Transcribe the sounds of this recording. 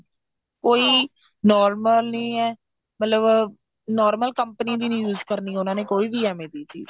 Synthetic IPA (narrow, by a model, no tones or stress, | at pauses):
koːiː | nɔːɾməlnə̃ːɛː | mət̪ləb | nɔːɾməlkəmpənĩːd̪iːnĩːjuːzkəɾniːʊnãːneːkoːiːbiːɛːmẽːd̪iːt͡ʃḭːz